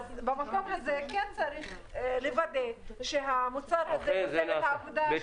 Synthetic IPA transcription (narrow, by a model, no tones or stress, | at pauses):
azbamakomɦazekɛnt͡saɾiχ | levad̪eʃeɦamut͡saɾhazejozelet̪aːvod̪a